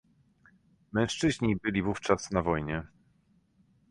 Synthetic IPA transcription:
mɛ̃w̃ʂt͡ʂɘʑɲibɘlʲivuft͡ʂasnavɔjɲɛ

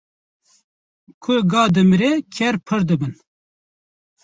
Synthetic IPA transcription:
kʰʊɡɑːd̪ɨmɾekʰɛɾpʰɨɾd̪ɨbɨn

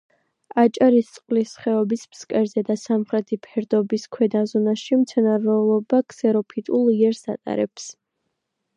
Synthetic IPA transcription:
at͡ʃʼaɾist̪sʼqʼlisχɛɔbismskʼɛɾzɛd̪asamχɾɛt̪ʰipʰɛɾd̪ɔbiskʰwɛd̪azɔnaʃimt̪sʰɛnaɾɛlˠɔbakʰsɛɾɔpʰit̪ʼulˠiɛɾsa̰t̪ʼa̰ɾɛps

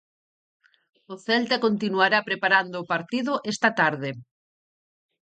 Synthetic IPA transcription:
ʊθɛlt̪akont̪inuaɾapɾepaɾand̪ʊːpaɾt̪iðʊʔɛst̪ɐt̪aɾðɪ

